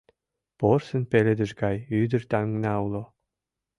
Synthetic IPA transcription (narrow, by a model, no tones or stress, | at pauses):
porsɘ̆npelʲĕd̪ɘ̆ʒɡɑjyd̪ɘ̆rt̪æŋŋnæwlˠo